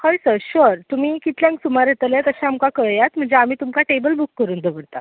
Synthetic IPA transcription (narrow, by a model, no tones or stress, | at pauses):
kəjsəɕəɾt̪um̤iːkit̪ljãŋksumaɾet̪əlet̪əɕaamkakəɭjat̪m̤əɳd͡zeam̤iːt̪umkaʈebəlbukːəɾuːnd̪əʋəɽt̪a̰